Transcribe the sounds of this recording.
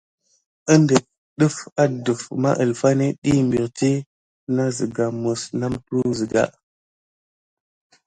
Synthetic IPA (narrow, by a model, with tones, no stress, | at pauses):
ə˦ndə˨ | ɗə˦fa˦də˨fma̰˦ʔə˨lfa˦ne˦ɗi˦mbi˨ɾti˦ | na˦zi˨ɡa˨mə˨sna˦mtu˦nzi˨ɡa̰˨ʔ